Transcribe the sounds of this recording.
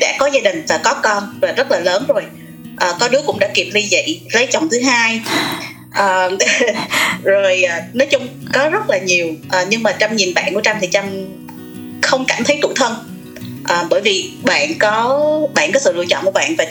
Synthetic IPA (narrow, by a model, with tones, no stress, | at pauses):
ɗa̰ː˧˥kɔ˨˦zaː˧ɗï˨˩ŋ̟vaː˨˩kɔ˨˦kɔ˧nvaː˨˩zə˦˥t̚laː˨˩ləː˨˦nzo˨˩j | ʔəː˨˩kɔ˨˦ɗɨ˨˦əkʊ̰˧˥ŋ͡mɗa̰ː˧˥ki˨˩p̚ɗi˧zə̰˧˨jlə˨˦jt͡ɕɔ˨˩wŋ͡mt̪ʰɨ˨˦ɦaː˧j | ʔəː˨˩ | zo˨˩jʔːnɔ˨˦jt͡ɕʊ˧ŋ͡mkɔ˨˦zə˦˥t̚laː˨˩ɲi˨˩əwʔəː˨˩ɲɨ˧ŋmaː˨˩t͡ɕa˧mɲi˨˩nɓa̰ː˧˨nkṵ˧˩ət͡ɕa˧mt̪ʰi˨˩t͡ɕa˧m | xə˧wŋ͡mka˧˩nt̪ʰə˨˦jt̪ṵ˧˩˨t̪ʰə˧n | ʔəː˨˩ɓəː˧˩jvi˨˩ɓa̰ː˧˨nkɔ˨˦ɓa̰ː˧˨nkɔ˨˦sɨ̰˧˨lɨ̰˧ət͡ɕɔ̰˧˨nku˧˩əɓa̰ː˧˨nvaː˨˩